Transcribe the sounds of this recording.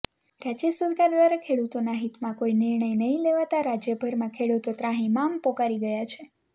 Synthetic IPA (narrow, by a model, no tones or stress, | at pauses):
ɾad͡ʒəsuʋid̪ad̪ʋaɾakʰeɽut̪onaɦit̪mãkoinɪɾɳəjnəɦĩleʋat̪aɾad͡ʒjəbʱəɾmãkʰeɽut̪ot̪ɾãɦĩmampɔkaɾiɡəjat͡ʃʰe